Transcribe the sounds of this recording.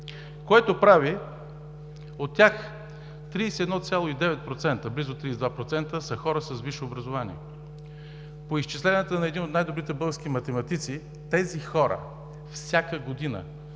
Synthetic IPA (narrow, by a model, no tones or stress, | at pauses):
koɛt̪opɾavi | ot̪ʲːjax | t̪ɾiːsiɛd̪nɔt̪sʲjalˠoid̪ɛvɛt̪̚pɾot̪sɛnt̪əblizot̪ːɾiːsd̪vapɾot̪sɛnt̪əsəxɔɾəsəsviʃoːbɾɐzovanḭɛ | poist͡ʃislɛnət̪ənɐɛd̪inot̪najd̪obɾit̪ɛbɤlˠɡəɾsk̟imɐt̪ɛmɐt̪it̪si | t̪ɛzixɔɾə̰ | fsʲjakəɡod̪inə̰